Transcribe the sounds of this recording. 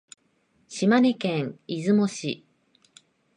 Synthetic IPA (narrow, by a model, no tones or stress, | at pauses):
ɕimaɲʲikẽŋizɨmo̞ɕḭ